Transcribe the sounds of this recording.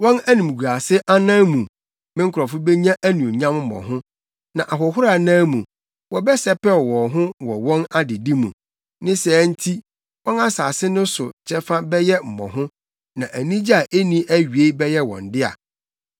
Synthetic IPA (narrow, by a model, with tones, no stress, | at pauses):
wɔ̃˦næ˦nĩ˨m˨ɡu˨a˨sɪ˦ʔa˦nãː˦mũ˨ | mɪ̃˦ŋ̩kʰʊ˨ɾɔ˨fʊ˦bɛ˦ɲã˦ʔæ˦nũ˨ɲã˦mm̩˦mɔ̰̃˨ɦʊ̃˦ | nã˨ʔa˨ɦɔ˨ɦʊ˦ɾa˨nãː˦mũ˨ | wɔ˨bɛ˦sɛ˦pɛ˦˨wɔ̃˨ɦʊ̃˦wɔ˨wɔ̃˦na˦dɪ˨di˦mṵ̃˨ | nɪ̃˦sɛ˨˦n̩˦tʰi˦ | wɔ̃˦na˦saː˨sɪ˦nʊ̃˦sʊ̰˨t͡ɕʰɛ˦fa˦bɛ˦jɛ˦m̩˨mɔ̰̃˨ɦʊ̃˦ | nã˨ʔæ˨nĩ˦d͡ʑi˦a˨ʔe˦nĩ˦ʔæ˦ɥi˨e˦bɛ˦jɛ˦wɔ̰̃˨n˨dɪ˦a̰˨